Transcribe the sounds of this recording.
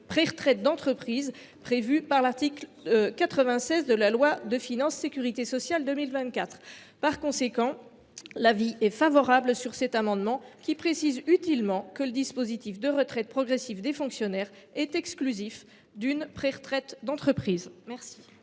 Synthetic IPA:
pχɛʁət̪χɛt̪̚d̪ɑ̃t̪χəpχiz | pχevypaʁlaʁt̪iklkat̪χəvɛ̃sɛzd̪əlalwad̪əfinɑ̃sːekʲyʁit̪esɔsjald̪ømilvɛ̃t̪̚kat̪χ | paʁkɔ̃sekɑ̃ | laviʔɛfavɔʁablsyʁsɛt̪amɑ̃d̪mɑ̃kʲipχesizyt̪ilmɑ̃kələd̪ispozit̪ifd̪əʁət̪χɛt̪̚pχɔɡʁɛsifd̪efɔ̃ksjɔnɛʁ | ɛt̪ɛksklyzif | d̪ynpχɛʁət̪χɛt̪d̪ɑ̃t̪χəpχiːzmɛʁsi̥

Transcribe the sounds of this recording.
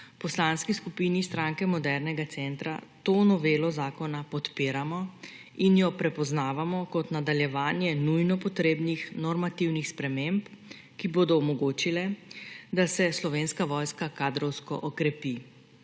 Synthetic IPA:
pɔslaːnskiskupiːnist̪ɾaːŋkɛmɔd̪ɛɾnɛɡat̪sɛnt̪ɾa̰t̪onɔʋeːlɔzaːkɔnapɔt̪peːɾamɔ | injɔpɾɛpɔznaːʋamɔkɔt̪nad̪aljɛʋaːnjɛnujnɔpɔt̪ɾeːbnixnɔɾmat̪iwnixspɾɛmemp | kiboːd̪ɔumɔɡoːt͡ʃilɛd̪asɛslɔʋeːnskaʋɔːjskakaːd̪ɾɔwskɔ̰ʔɔkɾɛpi

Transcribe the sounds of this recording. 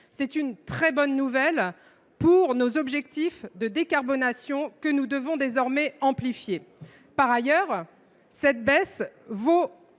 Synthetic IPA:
sɛt̪ynt̪χɛbɔnːuvɛl | puʁnozɔbʒɛkt̪ifd̪əd̪ekaʁbɔnasjɔ̃kənud̪əvɔ̃d̪ezɔʁmɛɑ̃plifje | paʁajœʁ | sɛt̪̚bɛsvo

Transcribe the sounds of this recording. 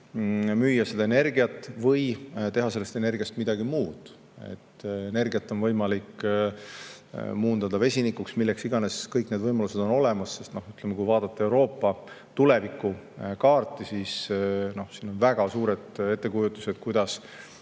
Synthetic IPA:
myjːɑse̞d̪ɑene̞rɡiɑt̪ːˑvɤjt̪e̞ɦɑse̞lːe̞st̪e̞ne̞rɡ̥iɑst̪mid̪̥ɑɡimuːd̪̥ | e̞̰t̪ːe̞ne̞rɡijɑt̪ːˑo̞nvɤjmɑlikː | muːnd̪ɑd̪ɑve̞sʲinikːuksmilːeksiɡ̥ɑne̞skɤjkned̪vɤjmɑluse̞d̪̥o̞no̞le̞mɑsːe̞st̪no̞hyt̪ˑlemekujvɑːd̪ɑt̪ːeewɾo̞ːpːɑ | t̪ule̞vikːˑu | kɑːrt̪ːˑisisno̞hsiːno̞nvæɡ̥ɑsuːɾe̞d̪̥e̞t̪ˑːe̞kujut̪ːˑu̥se̞d̪̥̚kujd̪ɑs

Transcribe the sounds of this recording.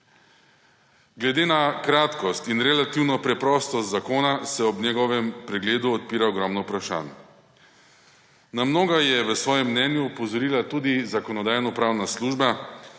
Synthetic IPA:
ɡlɛd̪eːnakɾaːt̪kɔst̪inɾɛlat̪iwnɔpɾɛpɾɔst̪ɔst̪zakoːnasɛɔbnɛɡɔʋɛmpɾɛɡleːd̪uɔt̪̚piːɾaɔɡɾɔmnɔpɾaʃa̰ːn | namnoːɡajɛʋəsʋɔːjɛmːnɛnjupɔzɔɾiːlat̪uːd̪izakɔnɔd̪ajnɔpɾaːwnasluːʒba

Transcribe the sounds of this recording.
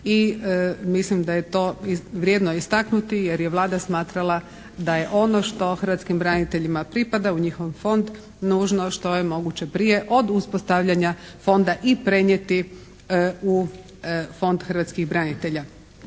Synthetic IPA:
iəmislimd̪ajet̪o̞ːiʋɾʲjed̪noist̪aknut̪ijeɾjeʋlˠaːd̪asmaːt̪ɾalˠa | d̪aje̞ʔo̞no̞ʃt̪o̞xər̩ʋat̪skimbɾanit̪e̞ʎimapɾipad̪auɲixoʋfo̞nd̪ | nuːʒno̞ʃt̪o̞jemo̞ɡut͡ɕe̞pɾije̞ʔo̞d̪uspost̪aʋʎaɲafo̞nd̪aʔipɾe̞ɲjet̪i | u | fo̞nd̪xər̩ʋat̪skiɣbɾanit̪e̞ʎa

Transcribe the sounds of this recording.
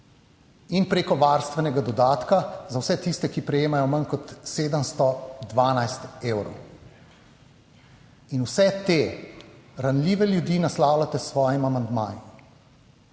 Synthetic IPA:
inpɾeːkɔʋaːɾst̪ʋɛnɛɡad̪ɔd̪aːt̪kazawsɛt̪ist̪ɛkipɾɛjeːmajɔmankɔt̪seːd̪əmst̪ɔd̪ʋaːnajst̪eːwɾɔ̰w | inuwsɛt̪e | ɾanlʲiːʋɛljud̪inaslaːwlat̪ɛsʋɔːjimamand̪ma̰ːji

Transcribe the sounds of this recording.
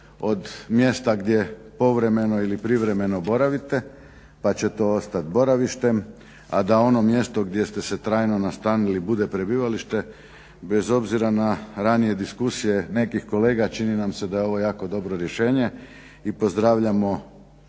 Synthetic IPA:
o̞d̪mje̞st̪aɡd̪je̞po̞ʋɾe̞me̞no̞ilipɾiʋɾe̞me̞nobo̞ɾaʋit̪e̞ | pat͡ɕe̞t̪o̞ost̪at̪bo̞ɾaʋiʃt̪e̞m | ad̪ao̞no̞mje̞st̪o̞ɡd̪je̞st̪e̞se̞t̪ɾaːjno̞nast̪aːnilibud̪e̞pɾe̞biːʋaliʃt̪e̞ | be̞zo̞bziɾanaɾanije̞d̪iskusije̞ne̞kixko̞le̞ːɡat͡ʃininamse̞d̪ajeo̞ʋo̞jaːko̞d̪o̞bɾo̞ɾje̞ʃe̞ːɲe̞ | ipo̞zd̪ɾaːʋʎamo̞

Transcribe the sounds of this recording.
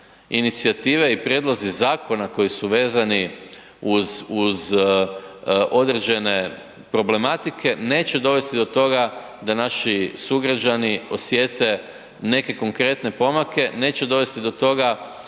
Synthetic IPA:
init̪siat̪iːʋe̞ipɾʲje̞d̪lˠo̞zizaːkʰo̞nako̞jisuʋe̞ːzani | uzuz | ʔo̞d̪ɾe̞d͡ʑe̞ne̞ | pɾo̞ble̞mat̪ikʰe̞ne̞ːt͡ɕe̞d̪o̞ʋe̞st̪id̪o̞t̪o̞ɡa | d̪anaʃisuɡɾad͡ʒanio̞sje̞t̪e̞ | ne̞ke̞ko̞ŋkɾe̞t̪ne̞po̞make̞ne̞ːt͡ɕed̪o̞ʋe̞st̪id̪o̞t̪o̞ɡa

